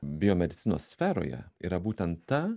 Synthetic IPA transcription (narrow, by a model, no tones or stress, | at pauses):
bʲɪjomʲɛd̪ʲɪt̪sʲɪno̰ːsʲsʲfʲæɾo̰ːjɛ̰ḭːɾɐbuːt̪ʲɛnt̪tɐ